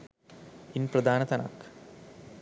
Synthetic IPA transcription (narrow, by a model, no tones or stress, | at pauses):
inprɐd̪ʱaːnɐt̪ɐna̰ːk